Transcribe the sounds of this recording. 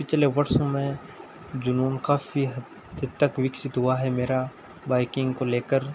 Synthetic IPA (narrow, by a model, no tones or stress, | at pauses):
pɪt͡ʃʰleʋɐɾʃõmẽ | d͡ʒʊnuːnkaːfiɦɐd̪ | ət̪ːɐkʋɪksɪt̪ɦuaɦɛmeːɾa | baːɪkɪ̃ŋɡkoleːkəɾ